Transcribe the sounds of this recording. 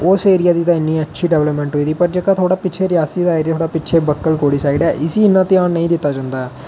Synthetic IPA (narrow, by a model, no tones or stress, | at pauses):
oːseːɾijaːd̪it̪aːɪnːĩːɐtːʃʰiːɖeʋləpmẽɳʈɦoːid̪ipɐɾd͡ʒɐkat̪ʰoːɽaːpɪːt͡ʃʰeɾjaːsiːd̪aːɾat̪ʰoːɽaːpɪtːt͡ʃʰebɐkːəlkoːɽisaːiɖaʔɪsiɪnːãːt̪iãːnːɐĩːd̪ɪt̪ːaːd͡ʒɐ̃nd̪aː